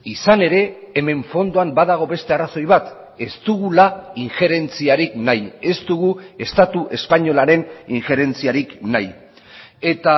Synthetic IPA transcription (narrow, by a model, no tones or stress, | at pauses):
isane̞ɾe̞ːme̞ɱfo̞nd̪oambaðaɣ̞o̞βe̞st̪e̞araso̞jβat̪ | e̞st̪uɣulaiŋʝe̞ɾe̞nt͡siaɾiknaje̞st̪uɣue̞st̪at̪uʔe̞spaɲo̞laɾe̞niŋʝe̞ɾe̞nt͡siaɾiknaj | e̞t̪a